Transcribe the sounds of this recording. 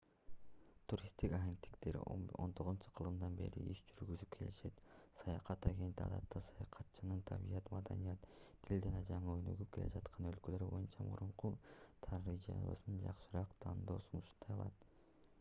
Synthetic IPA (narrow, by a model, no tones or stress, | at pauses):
t̪ʰuɾʲist̪ikɑɡʲe̞nt̪ːi̥kt̪e̞ɾ̰o̞̰nt̪ʰo̞ʁunt͡ʃu̥qʰɯlˠɯmd̪ɑnbe̞̰ɾḭʔiʃd͡ʒyɾɡyzyp̚kʰe̞liʃe̞t̪sɑjɑqɑt̪ɑɡʲe̞nt̪iɑ̰d̪ɑ̰t̪ːɑsɑjɑqʰɑt̪̚t͡ʃɑnɯnt̪ʰɑbḭjɑt̪mɑd̪ɑ̰nijɑt̪ʰː | ild͡ʒɑnɑd͡ʒɑɴɯøjnø̰ɡyp̚ke̞le̞̰d͡ʒɑt̪qʰɑnø̞lkølø̞ɾybo̞̰junt͡ʃɑmṵɾuɴqut̪ʰɑɾid͡ʒɑ̰βɯ̰sɯnd͡ʒɑqʃɯɾɑqt̪ʰɑnd̪o̞ːsunuʃt̪ʰɑjɑlˠɑt̪